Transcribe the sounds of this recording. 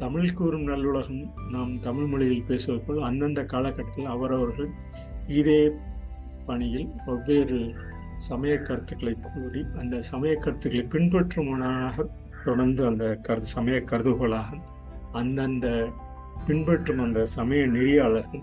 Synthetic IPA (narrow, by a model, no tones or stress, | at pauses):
t̪ɐmɪɭkuːɾɯmnɐlːɯɭɐɣɐmnaːmt̪ɐmɪɭmɐɭɪjɪlpeːsɯʋɐðɯpːoɭɐnd̪ɐnd̪ɐkaːɭɐkːɐʈːɐt̪ːɪlɐʋɐɾɐʋɐɾɣɐɭ | ɪðeː | pɐɳɪjɪlɔʋːeːɾɯ | sɐmɐjɐkːɐɾɯt̪ːɯɣɐɭɐɪkʰuːɾiɐnd̪ɐsɐmɐjɐkːɐɾɯt̪ːɯɣɐɭɐɪpɪɳpɛʈrɯmɐnaːɣɐ | t̪ɔɽɐɾnd̪ɯɐnd̪ɐkɐɾɯðɯsɐmɐjɐkːɐɾɯðɯɣɐɭaːɣɐ | ɐnd̪ɐnd̪ɐ | pɪɳbɛʈrɯmɐnd̪ɐsɐmɐjɐnɪɾɪjaːɭɐɾɣɐm